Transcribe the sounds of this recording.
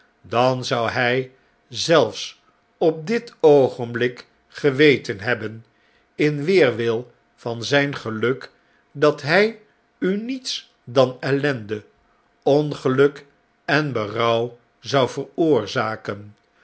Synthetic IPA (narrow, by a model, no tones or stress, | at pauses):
dɑnzʌwɛj | zɛlˠfs | ɔp̚dɪtowχənblɪk | χəʋejtənɦɛbən | ɪnʋɪːrʋɪlˠ | v̥ɑnzɛjnχəlɵk | dɑtɦɛj | ynits | dɑnɛlɛndə | ɔnχəlɵk | ɛnbərʌw | zʌwvərʊːɹzaːkən